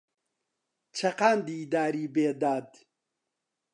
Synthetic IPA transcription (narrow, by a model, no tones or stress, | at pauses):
t͡ʃʰɐqaːnd̪id̪aːɾiːbeːd̪aːd̪